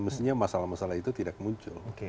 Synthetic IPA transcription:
məst̪iɲamasalamasalait̪ut̪idak̚muɲt͡ʃʊ̰lke

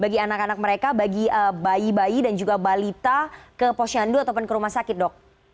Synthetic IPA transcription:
baɡianakanak̚məɾekabaɡiəbaibaidand͡ʒuɡabalit̪akəpoʃianduat̪awp̬ʊnkəɾumahsakɪt̪̚dɔk̚

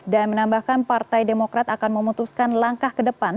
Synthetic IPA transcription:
danmənambahkanpart̪ajdemokɾat̪akanməmut̪uskanlaŋkahkədəpan

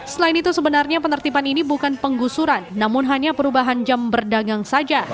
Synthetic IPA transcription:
səlainit̪usəbənarɲapənərt̪ipaninibukanpəŋɡusuɾanːamʊnɦaɲapəɾubaɦand͡ʒambərdaɡaŋsad͡ʒa

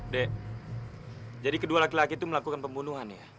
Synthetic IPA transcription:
dɛʔ | d͡ʒadikədualakilakit̪uməlakukanpəmbunuɦanja

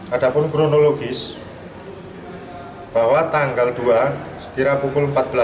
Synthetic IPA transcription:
ʔad̥a̤pʊnkɾonoloɡ̥ɪs | b̥awat̪aŋɡald̪̥uasə̥kiɾapukʊlmpat̪̚b̥əla

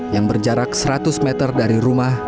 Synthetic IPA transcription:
jaŋbərd͡ʒaɾak̚səɾat̪ʊsmɛt̪ərdaɾiɾumah

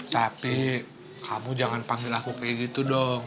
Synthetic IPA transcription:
t̪api | kʰamud͡ʒaŋanpaŋɡɪlakukajaɡit̪udɔŋ

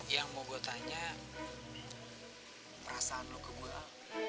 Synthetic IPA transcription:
jaŋmoɡot̪aɲa | rasanokəbua

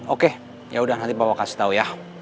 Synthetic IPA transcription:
oke | jaudanat̪ipawakasi̥t̪auja

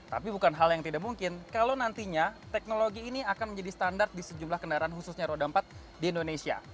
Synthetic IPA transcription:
t̪a̰pibukanɦaljaŋt̪idakmuŋkɪnkalawnant̪iɲat̪ɛk̚noloɡiːniakanməɲd͡ʒadist̪andart̪̚disəd͡ʒumlahkəndaɾaanhususɲaɾodampat̪̚ | diːndonesia̰

